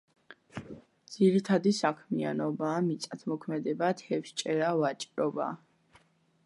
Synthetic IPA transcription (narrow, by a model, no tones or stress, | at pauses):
d̪z̥iɾit̪ʰad̪isakʰmia̰nɔbaːmit̪sʼat̪ʰmɔkʰmɛd̪ɛbat̪ʰɛfʃt͡ʃʼɛɾavat͡ʃʼɾɔba̰